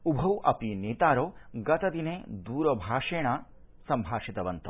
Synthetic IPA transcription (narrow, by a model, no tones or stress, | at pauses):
ubʱɐwʔɐ̰pineːt̪aːɾoːɡɐt̪ɐd̪ineːd̪uːɾɐbʱaːʂeːɳaː | sɐmbʱaːʂit̪ɐʋɐnt̪ɐ